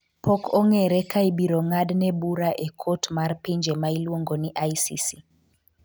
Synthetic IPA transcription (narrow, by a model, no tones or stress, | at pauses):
pɔkʰɔŋɛɾɛkaibiɾɔŋadnɛbuɾaʔɛkʰotmarpiɲd͡ʒɛmailwoŋɡɔniʔajsḭsi